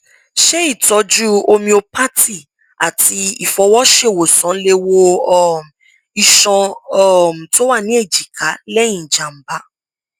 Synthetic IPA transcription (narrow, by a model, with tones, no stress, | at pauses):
ʃe˦i˦˨tɔ˨˦d͡ʒu˦o˧mĩ˧o˧pa˦tʰi˦˨ | a̰˨tʰi˧i˨fɔ˧˦wɔ˦ʃe˦˨wo˨sɔ̃˨˦le˧wo˧ɔ˦˨m̩˨ | i˧˨ʃɔ̃˧ɔ˨m̩˨to˦wa˦˨nĩ˨˦e˦˨d͡ʒi˨ka˨˦lɛ˦j̃ĩ˦˨d͡ʒa˨m̩˨˦ba˨˦